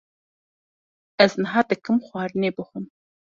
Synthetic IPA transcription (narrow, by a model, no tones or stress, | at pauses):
ɐzɨnɨɦaːd̪ɐkʰɨmχʷɑːɾɨneːbɨχʷʊn